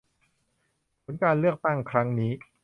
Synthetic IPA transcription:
pʰo˩˦nkaː˧nlɯ˥˩ək̚t̪a˥˩ŋkʰɾa˦˥ŋniː˦˥

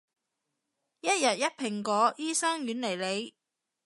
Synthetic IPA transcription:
jɐ˥t̚jɐ˨t̚jɐ˥t̚pʰɪ˨˩ŋkɔː˨˥jiː˥sɐ˥ŋjyː˨˥nle˨˩jle˨˧j

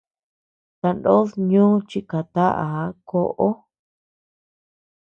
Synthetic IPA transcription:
t̪a˧ndo˦ðɲũː˦t͡ʃi˧ka˨t̪a˦ʔa̰˨˦ko˦˧ʔo˦

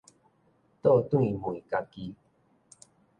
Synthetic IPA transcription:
t̪o˦˨t̪ũ˦ĩ˨mũ˨i˨ka˧ki˧

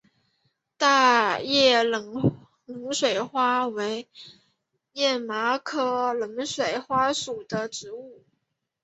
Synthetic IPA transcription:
t̪a˥˧jɛ˥˩l | lə˧˥ŋʂwe˨˩ɪxwa˥we˧˥ɪ | jɛ˥˩ma˧˥kʰɤ˥lə˧˥ŋʂwe˨˩ɪxwa˥ʂu˨˩d̪ə˦ʈ͡ʂɻ̩˧˥u˥˩

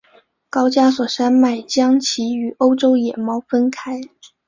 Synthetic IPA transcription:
kɑ˥ʊt͡ɕja˥swɔ˨˩ʂa˥nma˥˩ɪt͡ɕjɑ˥ŋt͡ɕʰi˧˥y˨˩o˥ʊʈ͡ʂo˥ʊjɛ˨˩mɑ˥ʊfə˥nkʰa˥ɪ

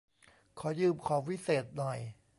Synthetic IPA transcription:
kʰɔː˨˦jɯː˧˩mkʰɔː˩˦wi˦˥seː˨˩t̪̚nɔ˨˩j

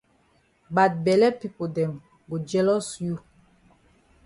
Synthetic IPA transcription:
ba˨t̚bɛ˨lɛ˦pi˦po˨dɛ̃˨m | ɡu˨d͡ʒɛ˦lɔ˦sju˦

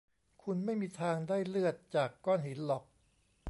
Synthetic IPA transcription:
kʰu˧nma˥˩jmiː˧t̪ʰaː˧ŋdaː˥˩jlɯ˥˩ət̪̚t͡ɕaː˨˩kːɔː˥˩nhi˩˦nlɔ˨˩k̚

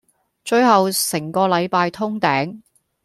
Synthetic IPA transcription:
t͡ʃɵ˧ɥɦɐ˨wsɪ˨˩ŋkɔː˧lɐ˨˧jpaː˧jt̪ʰʊ˥ŋt̪ɛː˨˥ŋ

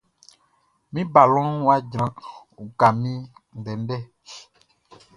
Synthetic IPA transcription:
mĩ˦ba˨lɔ̃˦wa˦d͡ʒɾã˨u˨ka˨mĩ˦n̩˨ɖɛ˨n̩˦ɖɛ˦

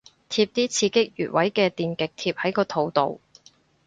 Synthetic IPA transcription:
t̪ʰiː˧p̚t̪iː˥t͡sʰiː˧kɪ˥k̚jy̰ː˨t̚wɐ˨˥jkɛː˧t̪iː˨nkɪ˨k̚t̪ʰiː˧p̚hɐ˨˥jkɔː˧t̪ʰo˨˧wt̪o̰˨˧w

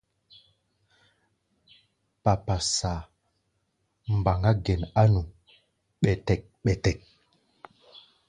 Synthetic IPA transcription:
pa˨pa˨sa˨ | m˨ba˨ŋɡa˦ɡɛ˨na˦nu˨ | ɓɛ˨tɛ˨k̚ɓɛ˨tɛ˨k̚

